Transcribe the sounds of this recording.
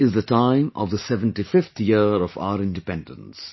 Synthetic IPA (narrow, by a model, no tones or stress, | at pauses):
ɪzðətãɪ̃mʔɔ̰vðəsɛvə̃nʈifɪft̪ʰjɪɔfa̰ʊəɾɪ̃nɖɪpɛ̃ndə̰̃ns